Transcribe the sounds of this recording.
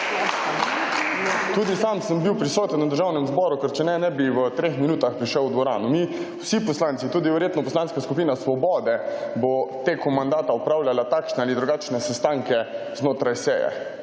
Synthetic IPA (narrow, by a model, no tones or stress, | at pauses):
t̪uːd̪isamsəmbiwpɾisɔːt̪ənwad̪əɾʒaːwnɛmzbɔːɾukɛɾt͡ʃɛnɛnɛbiʋət̪ɾexminuːt̪axpɾiʃəwd̪ʋɔɾa̰ːnumiwsipɔslaːnsit̪uːd̪iʋɛɾjeːt̪nɔpɔslanskaskupiːnasʋɔbɔːd̪ɛbot̪eːkɔmand̪aːt̪aɔpɾaːwlʲalat̪aːkʃnɛaːlid̪ɾuɡaːt͡ʃnɛsɛst̪aːŋkɛ | znoːt̪ɾajsɛ̰ːjɛ̰